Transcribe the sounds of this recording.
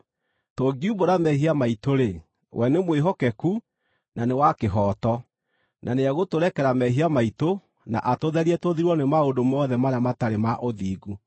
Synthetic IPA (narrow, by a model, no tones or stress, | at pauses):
toɡiuboɾamɛhiamaitoɾe | wʔɛnemweɦɔkɛku | nanewakeɦɔtɔ | nʔaneaɣotoɾɛkɛɾamɛɦiamaito | na̰ʔatoðɛɾiɛtoðiɾwɔnemaondomɔðɛmaɾamataɾemaʔoðiːɡu